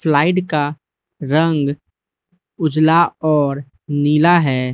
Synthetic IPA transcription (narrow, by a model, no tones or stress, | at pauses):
fʰlaːɪʈka | ɾə̃ŋɡ | ʊd͡ʒlaɔːɾ | niːlaɦɛː